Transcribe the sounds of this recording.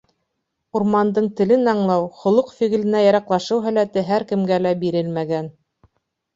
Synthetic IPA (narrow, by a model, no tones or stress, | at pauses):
uɾmɑnd̪ɤɴt̪ɘ̆lɘnɑɴlˠɑwχŏlˠɤqfiɣɘ̆lɘ̆næjɑɾɑqlˠɑʃɤwɦæ̆læt̪ɘɦæɾkɘ̆mɡælæbiɾɘlmæɡæn